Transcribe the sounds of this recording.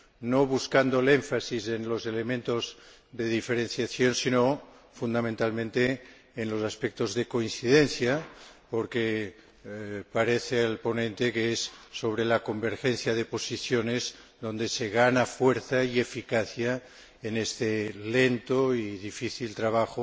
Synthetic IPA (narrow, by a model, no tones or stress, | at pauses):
noβuskand̪oleɱfasizenlozelemẽnt̪oz | ðeðifeɾenθjaθjonsino | fund̪amẽnt̪almẽnt̪eː | nlosaspek̚t̪ozðekoinθiðenθjapoɾke | paɾeθeelponẽnt̪ekeesːoβ̞ɾelakombeɾxen̟θjaðeposiθjonezðo̞nd̪eseɣanafweɾθaiefikaθja | enest̪elent̪oiðifiθilt̪ɾaβaxo